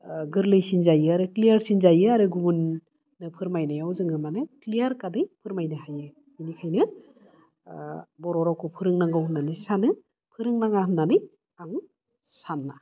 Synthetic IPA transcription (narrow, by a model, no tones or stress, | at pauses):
ɡɯɾlɯjsinzajɯaɾɯklijaɾsinzajɯaɾɯɡuunː | ɯpʰɯɾmajnɯjawzɯŋɯmanɯklijaɾkadɯjpʰɯɾmajnɯɦajɯ | inikʰajnɯ | bɔɾɔɾawkʰɯpʰɯɾɯŋnaŋɡawhɯnːanɯsanɯ | pʰɯɾɯŋnaŋaɦɯnːanɯj | aŋ | sanːa